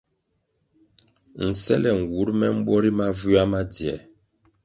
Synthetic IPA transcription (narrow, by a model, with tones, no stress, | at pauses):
n̩˨sɛ̰˦lɛ˨ŋ̩˨wu˨˦ɾmɛ˦m̩˦ɓɔ˦ɾi˦ma˦vu˦a˦ma˦djɛ˨